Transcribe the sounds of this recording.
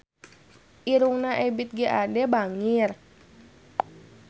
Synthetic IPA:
ʔiɾuŋnaʔɛbit̪̚ɡiʔadɛbaŋir

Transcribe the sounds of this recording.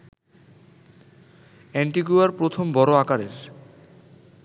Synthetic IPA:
ɛɳʈiɡuaɾpɾot̪ʰombɔɾoakaɾeɾ

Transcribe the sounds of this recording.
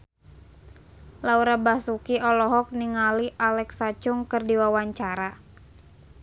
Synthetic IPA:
lauɾabahsukiʔɔlɔɦɔk̚niŋaliʔalɛksat͡ʃʊŋkɨrdiwawaɲt͡ʃaɾa

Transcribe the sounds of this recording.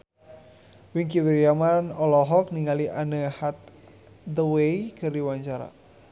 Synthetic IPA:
wiŋkiwiɾijamanɔlɔɦɔk̚niŋaliʔanəhat̪̚ | d̪əwejkɨrdiwaɲt͡ʃaɾa̰

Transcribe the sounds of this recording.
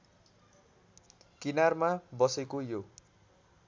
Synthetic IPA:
kinarmabʌsekojo

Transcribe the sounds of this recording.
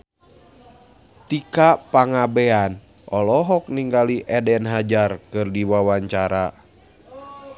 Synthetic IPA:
t̪ikapaŋabɛan | ʔɔlɔɦɔk̚niŋɡaliʔɛdɛnɦad͡ʒarkɨrdiwawaɲt͡ʃaɾa

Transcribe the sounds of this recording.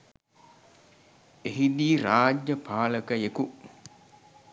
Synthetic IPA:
eɦid̪iːɾaːd͡ʒːəpʰaːləkəeku

